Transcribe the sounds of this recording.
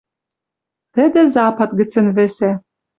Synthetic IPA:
t̪ɘ̆d̪ĕzɑpɑt̪ɡɘ̆t͡sɘ̆nβĕsæ

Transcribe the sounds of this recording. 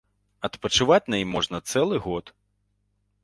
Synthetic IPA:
ɐt̪pɐt͡ʃʊʋatʲnɐjimɔʐnɐt̪sɛlˠɪɦɔt̪

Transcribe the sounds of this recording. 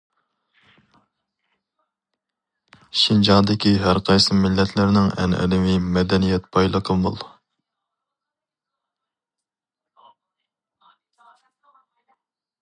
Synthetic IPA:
ʃind͡ʒɑŋd̪ɪkʲiɦæɾqʰɑjsɨmɪlːɛt̪ʰlɪɾnɪŋɛ̰nʔɛ̰lɪmimɛd̪ɛnijɛt̪pʰɑjlˠəqʰəlˠmɨlˠ

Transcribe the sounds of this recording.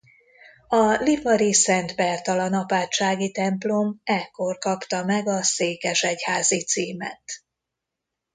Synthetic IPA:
ɒlivɒɾisɛnt̪bɛrt̪ɒlɒnɒpaːt͡ʃːaːɡit̪ɛmplo̞mɛkːo̞rkɒpt̪ɒmɛɡɒseːkɛʃɛchaːzit̪siːmɛ̰t̪

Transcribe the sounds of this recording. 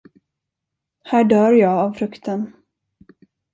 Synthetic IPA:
hæːɖœːɾjɑːɡavfɾɵkt̪ʰən

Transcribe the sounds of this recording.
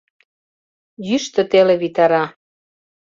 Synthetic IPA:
jyʃt̪ø̆t̪eleβit̪ɑɾɑ

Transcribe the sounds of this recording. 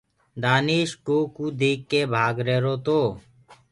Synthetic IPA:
d̪aːniːʃʈoːkuːd̪iːkːeːbʱaːɡɾeːɾoːt̪oː

